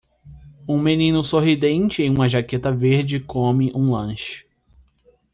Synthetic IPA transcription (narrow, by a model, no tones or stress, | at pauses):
ũmẽnĩnʊsoɦid̪ẽnt͡ʃɪẽũmɐʒaket̪ɐveɾd͡ʒɪkõmɪʔũlɐ̃ʃʊ̥